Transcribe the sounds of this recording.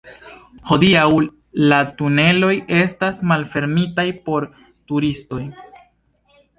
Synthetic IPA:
ho̞diaw | latune̞lo̞je̞stasmalfe̞ɾmitajpo̞ɾ | tuɾisto̞j

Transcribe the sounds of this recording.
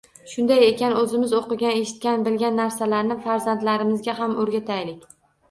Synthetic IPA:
ʃʊnd̪aje̞kʲanɵzɪmɪzoqɨɡʲane̞ʃɪ̥t̪̚kʲanbɪlɡʲanːaɾsalaɾnɪfaɾzant̪laɾɪmɪzɡʲaɦamɵɾɡʲat̪ʰajlɪkʲ

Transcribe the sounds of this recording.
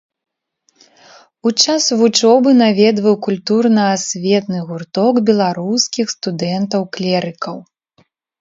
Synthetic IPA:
ut͡ʂasvut͡ʂɔbɨnavʲɛd̪vɐwkulʲt̪urnɐasʲvʲɛt̪nɨɣurt̪ɔɡbʲɛlˠaɾuskʲixst̪ud̪ɛnt̪ɐwklʲɛɾɨkɐw

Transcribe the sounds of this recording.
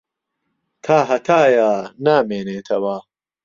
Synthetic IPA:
t̪ʰaːɦɐt̪ʰaːjaːnaːmeːneːt̪ʰɐwaː

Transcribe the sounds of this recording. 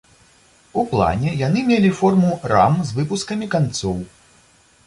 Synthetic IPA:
uplˠa̰nʲɛjanɨmʲelʲifɔrmura̰mzvɨpuskɐmʲikant̪sɔw

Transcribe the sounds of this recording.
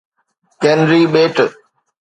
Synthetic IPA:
kẽnɾiːɓeːʈ

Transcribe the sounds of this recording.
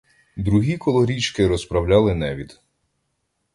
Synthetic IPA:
d̪ɾuɦʲikɔlˠɔɾʲit͡ʃkɪɾɔspɾɐwlʲalˠɪnɛʋʲid̪̥

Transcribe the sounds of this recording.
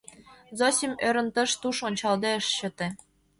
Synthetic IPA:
zosʲimøɾə̆nt̪ɤ̆ʃt̪uʃonʲt͡ɕɑld̪eəʃɕɤ̆t̪ĕ

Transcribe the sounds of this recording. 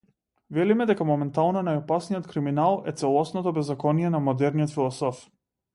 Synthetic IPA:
vɛlimɛd̪ɛkamɔmɛnt̪alˠnɔnajɔpasnijɔt̪kɾiminalˠɛt̪sɛlˠɔsnɔt̪ɔbɛzːakɔnijɛnamɔd̪ɛɾnijɔt̪filˠɔsɔf

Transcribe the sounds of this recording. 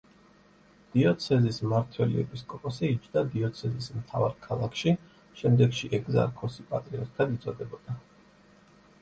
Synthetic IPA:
d̪̥iɔt̪sʰɛzismaɾt̪ʰwɛlḭɛ̰biskʼɔpʼɔsiit͡ʃʰd̪ad̪iɔt̪sʰɛzismt̪ʰa̰vaɾkʰalˠakʰʃi | ʃɛmd̪ɛɡʃiʔɛɡza̰ɾkʰɔsipʼat̪ʼɾiɔɾt̪ʰːad̪it̪sʼɔd̪ɛbɔd̪̥a

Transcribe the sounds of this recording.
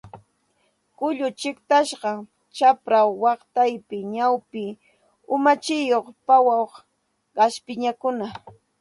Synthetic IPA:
kʊʎʊt͡ʃɪkt̪aʃɢɑ | t͡ʃapɾawːɑqt̪ajpɪɲawpɪ | ʊmat͡ʃɪjoχpawawχ | ɢɑʃpɪɲakʊna

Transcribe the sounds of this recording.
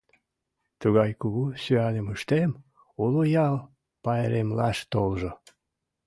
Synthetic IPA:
t̪uɣɑjkuɣusyɑnəmuʃt̪em | ulojɑl | pɑeɾemlɑʃt̪olʒo

